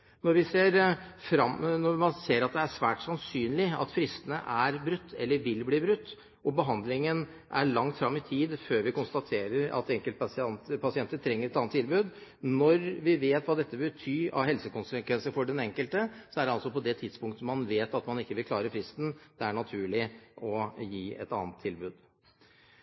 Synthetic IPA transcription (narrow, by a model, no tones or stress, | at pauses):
nɔɾʋɪseːɾfɾɑmnɔmɑnseːɾɑt̪̚d̪ɛæʂʋæːʈsɑnsyːnlɪɑ̰t̪fɾɪst̪ənəʔæɾbɾʉt̪ʰːɛ̰lːəɾʋɪlbliːbɾʉt̪ː | ɔbəɦɑnd̪lɪŋən | ʔæɭɑŋt̪fɾɑmːɪt̪ʰiːd̪føːɾʋɪkʊnst̪ɑt̪ʰeːɾəɾɑ̰t̪ɛŋkəlt̪ɑsɛnt̪əpʰɑsɪɛnt̪əʈ̪ʰɾɛŋːəɾɛt̪ɑnət̪ʰːɪlbʉːd̪nɔɾʋɪʋeːt̪ʋɑːd̪ɛt̪ːəʋɛbət̪ʰyːɑ̰ʋɦɛlsəkʊnsəkʋɛnsəfɔɖɛnɛŋkəlt̪əsɔæɖɛɑlsɔpɔd̪ɛt̪ʰɪd̪spʊŋkt̪əmɑnʋeːt̪ɑt̪mɑnɪkːəʋɪlkʰlɑːɾəfɾɪst̪n̩d̪̥ɛæɳɑt̪ʰʉːɭɪɔjiːʔɛ̰t̪ɑ̰ːnət̪ʰːɪlbʉːd̪